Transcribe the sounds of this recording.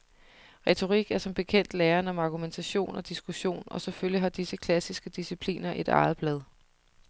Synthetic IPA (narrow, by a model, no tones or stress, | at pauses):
ʁɛt͡sʰo̝ʁiɡ̥æɐsɒ̽mb̥e̝kʰen̰d̥leːɐnəɒ̽mɑ̈ɡ̥ument͡sʰæɕo̝̰ːnɒ̽d̥isɡ̥uɕo̝̰ːnɒ̽seføljiɦɑ̈d̥isəkʰlæsisɡ̥əd̥isipʰlḭːnɐʔe̝d̥ɑ̰̈ːð̞̩ˠb̥lɛð̞ˠ